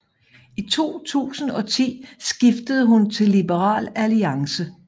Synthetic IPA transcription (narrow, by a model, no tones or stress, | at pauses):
it͡sʰo̝̰ːt͡sʰṵːsn̩ɒ̽t͡sʰḭːsɡ̥ifd̥əð̞ˠɦunt͡sʰe̝lːib̥əʁɑ̰̈ːlæliɑ̈ŋsə